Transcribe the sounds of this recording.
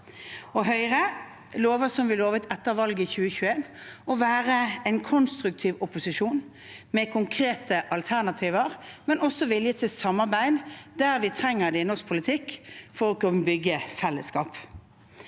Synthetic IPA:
ɔɦœʏʁə | loːʋəsɔmʋɪloːʋət̪ɛt̪ːəɾʋɑlɡəçʉːəçʉːeːnɔʋæːʁəɛɪnkʰɔnst̪ʁʉk̚t̪ʰiːʋʊpʊsɪʃuːn | mɛkʰʊŋkʰʁeːt̪əʔɑlt̪ʰæʁnɑt̪ʰiːʋəʁmɛnɔsːɔʋɪljət̪ʰɪlsɑmːɑʁbæɪd̪d̪æʁʋɪt̪ʰʁɛŋːəʁd̪ɛɪnɔsk̚pʰʊlɪt̪ʰɪkːfɔʁɔkɑnbʏɡəfɛlːəskɑːp

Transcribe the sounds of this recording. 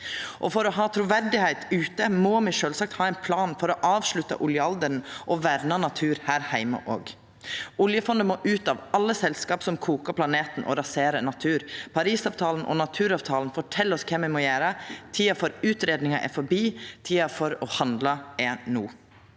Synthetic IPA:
ʔɔfɔɾɔɦɑːt̪ʰɾuːʋæɾɖɪhɛɪt̪ʉːt̪əmɔmɪʂøːlsɑk̚t̪hɑːɛɪnpʰlɑːnfɔɾɔʔɑːʋʂɭʉt̪ːɑ̰ʔʊljəɑld̪əɾn̩ʔɔʋæɾnɑnɑt̪ʰʉːɾhæːɾhæɪmə̰ʔo̰ːɡ | ʊljəfɔnd̪əmoːʔʉːt̪ɑʋɑlːəsɛlskɑːpsɔmkʰuːkɑpʰlɑneːt̪n̩ʔɔ̰ɾɑseːɾənɑt̪ʰʉːɾpʰɑɾiːsɑːʋt̪ʰɑːln̩ʔɔ̰nɑt̪ʰʉːɾɑːʋt̪ʰɑːln̩fɔʈʰɛlːɔskʰɛmʋɛmɔjæːɾət̪ʰiːɑfɔɾʉːt̪ɾeːd̪nɪŋɑʔæ̰ɾfɔbiːt̪ʰiːɑfɔɾɔhɑnd̪lɑenuː

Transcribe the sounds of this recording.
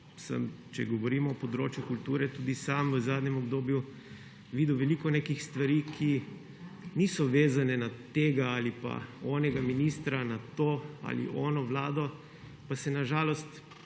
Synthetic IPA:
sə̰mt͡ʃɛ̰ɡɔʋɔɾiːmɔːpɔd̪ɾo̰ːt͡ʃjukult̪uːɾɛt̪uːd̪isamʋəzaːd̪ɲɛmɔbd̪oːbju | ʋiːd̪uʋɛlikɔneːkixst̪ʋaɾiːkʰi | niːsɔʋeːzanɛnat̪eːɡaalipa̰ɔːnɛɡaminiːst̪ɾanat̪oa̰lḭʔɔːnɔʋlaːd̪ɔ | pasɛnaʒaːlɔst̪

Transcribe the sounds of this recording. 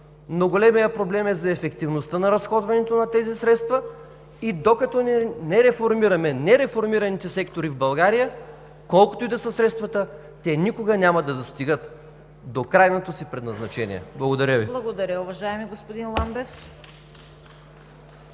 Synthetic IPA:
noɡolɛmijəpɾoblɛmɛzɐɛfɛkt̪ivnost̪ənɐɾɐsxɔd̪vɐnɛt̪onɐt̪ɛzisɾɛt̪st̪və | id̪okɐt̪ɔnnɛɾɛfoɾmiɾɐmɛnɛɾɛfoɾmiɾɐnit̪ɛsɛkt̪oɾivbɐlˠɡaɾijə | kɔlˠko̥t̪ʊid̪ɐsəsɾɛt̪st̪vɐt̪ə | t̪ɛnikoɡɐnʲamɐd̪ɐd̪ost̪iɡət̪ | d̪okɾajnot̪osipɾɛd̪nɐznɐt͡ʃɛnḭɛ̰blˠɐɡod̪ɐɾʲəviblˠɐɡod̪ɐɾʲəʊvɐʒaɛmiɡospod̪inlˠambɛf

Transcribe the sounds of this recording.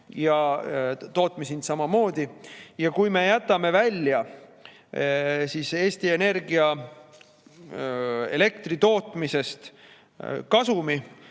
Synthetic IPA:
jɑ | t̪o̞ːt̪ˑmisinsɑmɑmo̞ːd̪̥ʲijɑkujme̞jæt̪ːˑɑme̞vælʲjɑ | sise̞ːsʲt̪ie̞ne̞rɡiɑ | e̞̰le̞k̚t̪rit̪o̞ːt̪ˑmise̞st̪ | kɑsumi

